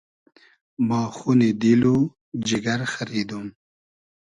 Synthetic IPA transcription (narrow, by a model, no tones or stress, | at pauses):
mɑːxuned̪ilo | d͡ʒɪɡaɾxaɾid̪um